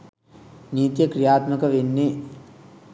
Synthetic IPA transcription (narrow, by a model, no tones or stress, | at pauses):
niːt̪jɐkɾijaːt̪mɐkɐʋenːe